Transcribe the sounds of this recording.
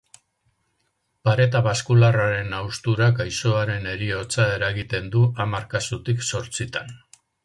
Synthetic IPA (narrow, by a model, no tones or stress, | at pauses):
paɾe̞t̪̬aβaskularaɾe̞nawst̪uɾakajso̞aɾe̞ne̞ɾio̞t͡sae̞ɾaɣit̪e̞nd̪uʔamaɾkasut̪ikso̞ɾt͡sit̪an